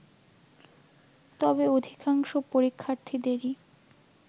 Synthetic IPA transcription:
t̪ɔbeod̪ʱikaŋʃopoɾikʰːaɾt̪ʰid̪eɾi

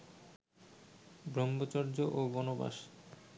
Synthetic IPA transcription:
bɾɔmbot͡ɕɔɾd͡ʑoʔobɔnoba̰ʃ

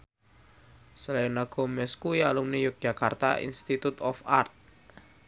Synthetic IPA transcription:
salanaɡ̥o̤mɛskujalumnijʊk̚d͡ʒ̥a̤kart̪a̰ḭnst̪it̪ut̪ɔfart̪̚

